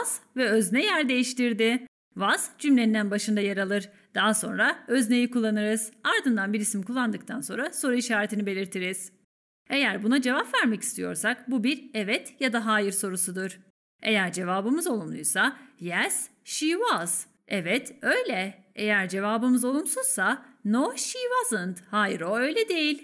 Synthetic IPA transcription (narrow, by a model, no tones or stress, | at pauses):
z̥vɛøznɛjæɾd̪e̞jiʃt̪iɾd̪ɪ | vazd͡ʒymlʲend̪ænbaʃɯnd̪ajaɾalˠɯɾ | d̪̥aɦaso̞nɾaø̞zne̞jikulˠːanɯɾɯzaɾd̪ɯnd̪anbiɾisimkʰulˠːand̪ɯkt̪ʰanso̞nɾaso̞ɾuiʃaːɾet̪ʰinibe̞lʲiɾt̪ʰiɾiz̥ | e̞jæɾbunad͡ʒe̞vapvæɾmeci̥st̪ʰijo̞ɾsakbubiɾɛvɛt̪jad̪aɦaːjiɾso̞ɾusud̪uɾ̥ | e̞jæɾd͡ʒe̞vaːbɯmɯzo̞lˠumlˠujsajɛs | ʃivaz̥ | ɛvɛt̪ʰø̞jlʲɛ | ejæɾd͡ʒe̞vaːbɯmɯzo̞lˠumsuz̥sanoʃivazɯnd̪haːjɾoø̞jlʲɛd̪e̞jilʲ